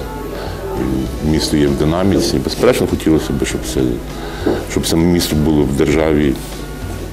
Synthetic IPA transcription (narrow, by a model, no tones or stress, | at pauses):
ḭmʲist̪ɔjɛwd̪ɪnɑmʲit͡sʲibespeɾɛt͡ʃnɔxɔtʲilˠɔsʲɐbɪʃt͡ʃɔpsɛ̰ | ʃt͡ʃɔb̪sɛmʲist̪ɔbulˠɔwd̪erʒɑʋʲi